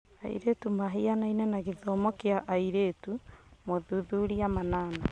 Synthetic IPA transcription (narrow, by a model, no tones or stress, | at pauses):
a̰ḭɾetumaɦianainɛnaɣiðɔːmɔkjaʔaiɾetumoðuðuːɾiamanaːna